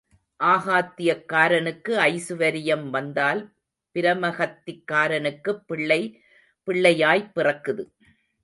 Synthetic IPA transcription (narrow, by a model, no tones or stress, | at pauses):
ʔaːɣaːt̪ːɪjɐkːaːɾɐnɯkːɯɐɪsɯʋɐɾɪjɐmʋɐnd̪aːl | pɪɾɐmɐɣɐt̪ːɪkːaːɾɐnɯkːɯɪɭɐɪ | pɪɭːɐjaːjpːɪrɐkːɯðɯ